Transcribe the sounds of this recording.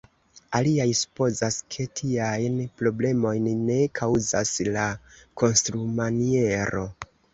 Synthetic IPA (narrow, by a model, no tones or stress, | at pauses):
aliajsu̥po̞zaskʰe̞tʰiajnpɾo̞ble̞mo̞jnːe̞kʰawzaslakʰo̞nstɾumanie̞ɾo̞